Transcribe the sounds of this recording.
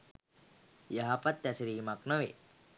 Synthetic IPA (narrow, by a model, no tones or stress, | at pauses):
jaɦapɐt̪ːɛsɾiːmaknoʋḛ